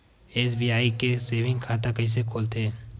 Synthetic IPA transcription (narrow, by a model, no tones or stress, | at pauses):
eːs̬biːaːikeseːbɪ̃ŋɡkʰaːt̪̬akɐɦĩs̬ekʰoːlt̪eː